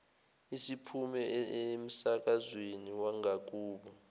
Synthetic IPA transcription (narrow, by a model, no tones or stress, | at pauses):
isipʰumɛem̩sak̬ʼazweniwaŋʱak̬uːɓɔ